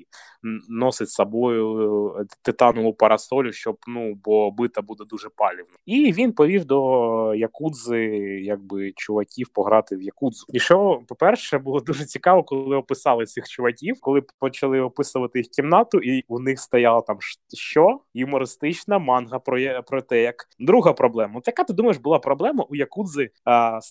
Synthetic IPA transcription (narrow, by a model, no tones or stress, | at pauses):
nɔsɪtʲsɐbɔjʊ | t̪ɪt̪ɑnɔʊpɐɾɐsɔlʲʊʃt͡ʃɔbnubɔbɪt̪ɐbud̪ɛd̪uʒɛpɑlʲiwnɐiʋʲinpɔʋʲiwd̪ɔjɐkud̪zɪjaɡ̚bɪt͡ʃʊʋɐkʲiwpɔɦɾɑt̪ɪwjɐkud̪zʊiʃɔpɔpɛrʃɛbulˠɔd̪uʒɛt͡sʲikɑʋɔkɔlˠlˠɪɔpɪsɑlˠɪsʲixt͡ʃʊʋɐkʲiwkɔlˠɪpɔt͡ʃɐlˠɪɔpɪsʊʋɐt̪ɪjixkʲimnɑt̪ʊʔiunɪxst̪ɐjɑlˠɐt̪ɑmʃʃt͡ʃɔjʊmɔɾɪst̪ɪt͡ʃnɐmɑnɦɐpɾɔjɐpɾɔt̪ɛjɐkd̪ɾuɦɐpɾɔblˠɛmɐɔt̪jɐkat̪ɪd̪umɐjeʃbʊlˠɑpɾɔblˠɛmɐʔujɐkud̪zɪs